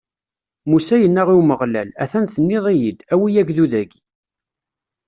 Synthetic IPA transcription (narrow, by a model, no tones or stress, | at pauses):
musæjənːæʁiwməʁlælæθænθənːɪðˤijid̪æwijæɡðuðæɡ